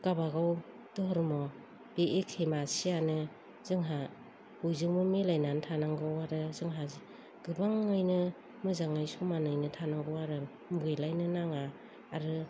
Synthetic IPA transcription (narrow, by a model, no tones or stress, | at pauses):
kabaɡaw | dɔɦɔɾmɔ | b̥eʔekʰemasianɯ | z̥ɯŋɦa | ujzɯŋmɯmelajnantʰanaŋɡɯwaɾɯzɯŋɦazi | ɡ̥ɯbaŋːɯjnɯ | mɯzaŋajsɔmanɯjnɯtʰanaŋɡɯwaɾɯ | muɡɯjlajnɯnaŋaː | ɾɯ